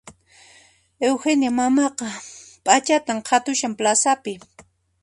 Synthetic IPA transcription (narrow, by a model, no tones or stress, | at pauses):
ewxenjamamɑqɑpʼat͡ʃat̪amqʰɑt̪ʊʃamplasapɪ